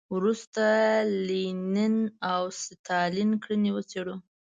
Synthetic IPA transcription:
wɾust̪alininawsɪt̪ʰɑlinkɽəniwət͡seɽu

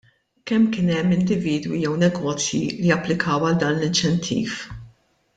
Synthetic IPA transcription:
kɛmːkɪːnɛmːɪnd̪ɪviːd̪wḭjɛwnɛɡɔːt͡sjḭlijɐpːlɪkʰɐːwɐld̪ɐːnlɪnt͡ʃɛnt̪ʰḭːf

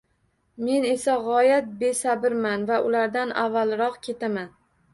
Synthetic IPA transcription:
me̞ne̞saʁɒjat̪̚be̞sabɪɾmanvaʔʊlaɾd̪anavːalˠɾɒqkʲʰe̞t̪aman

